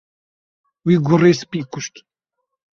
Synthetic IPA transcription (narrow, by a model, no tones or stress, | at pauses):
wiːɡʊreːspiːkʊʃt̪